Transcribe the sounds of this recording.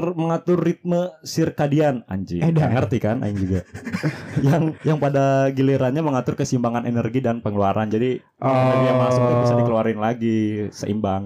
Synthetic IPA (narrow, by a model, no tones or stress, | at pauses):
rməŋat̪ʊrːit̪̚məsirkadiana̰ɲd͡ʒḭɛdaŋərt̪ikana̰ɪŋd͡ʒuɡa | jaŋjaŋpadaɡileɾanɲaməŋat̪ʊrkəsimbaŋanenərɡidanpəŋəluaɾʔand͡ʒadi | aanjaŋməɾasausaikəluaɾɪnlaɡisə̰ʔḭmbaŋ